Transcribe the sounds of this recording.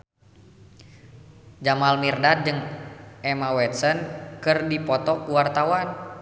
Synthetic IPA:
d͡ʒamalmirdat̪̚d͡ʒɨŋʔɛmawɛt̪̚sənkɨrdipɔt̪ɔkuwart̪awan

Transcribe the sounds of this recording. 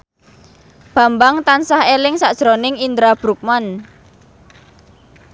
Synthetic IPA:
b̥a̤mbaŋt̪ansahelɪŋsaʔd̥ʒ̥ɾonɪŋind̪ɾab̥ɾuk̚man

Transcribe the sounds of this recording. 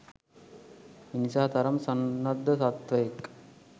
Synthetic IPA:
inisaːt̪ɐɾɐmsɐnːɐd̪ʱːɐsɐt̪ʋɐjek

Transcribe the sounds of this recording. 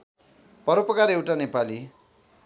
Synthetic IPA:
pʌɾopʌkaɾewʈanepali

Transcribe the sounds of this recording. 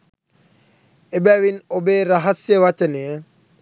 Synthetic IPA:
ebɛʋinobeɾaɦasjəwat͡ʃənijə

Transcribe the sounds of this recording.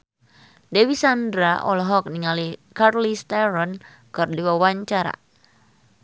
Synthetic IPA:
dɛwisandɾaʔɔlɔɦɔk̚niŋalikarlist̪ɛɾɔn | kɨrdiwawaɲt͡ʃaɾa̰

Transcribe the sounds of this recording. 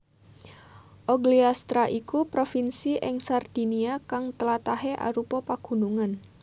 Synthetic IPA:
ʔɔɡliast̪ɾaʔikupɾofinsiʔɪŋsard̪̥i̤niakaŋt̪əlat̪aɦeʔa̰ɾupɔpaɡ̥ṳnuŋan

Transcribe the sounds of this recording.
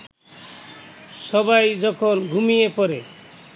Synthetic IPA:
sɔbajd͡ʒɔkʰɔnɡʱumijepɔɾe

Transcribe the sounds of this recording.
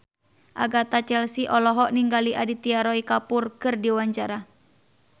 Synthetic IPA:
ʔa̰ɡat̪at͡ʃɛlsiʔɔlɔɦɔʔniŋɡaliʔadit̪iaɾɔikapurkɨrdiwaɲt͡ʃaɾa

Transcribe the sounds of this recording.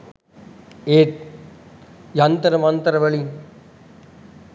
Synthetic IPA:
eːt̪̚ | jɐnt̪ɐɾɐmɐnt̪ɐɾɐʋɐɭi

